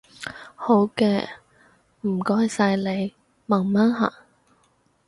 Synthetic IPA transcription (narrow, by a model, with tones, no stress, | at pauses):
ho˨˥wkɛ̰ː˧ | m̩˨˩kɔː˥jsɐ˧jle˨˧j | mɐ˨˩ŋmaː˥nɦa̰˨˩ŋ